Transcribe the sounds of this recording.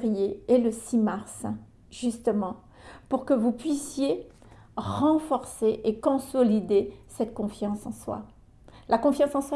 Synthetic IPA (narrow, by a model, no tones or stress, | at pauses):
ʁijeeləsimaʁs | ʒyst̪əmɑ̃ | puʁkəvupɥisje | ʁɑ̃fɔʁseʔekɔ̃sɔlid̪esɛt̪kɔ̃fjɑ̃sɑ̰̃swa̰ | lakɔ̃fjɑ̃sɑ̃sw